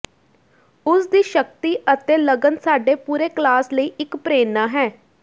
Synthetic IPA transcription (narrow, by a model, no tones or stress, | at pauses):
ʊsd̪iːʃəkt̪iːʔət̪eːləɡənsaːɖeːpuːɾeːklaːsləiːɪkpɾeːnãːɦɛː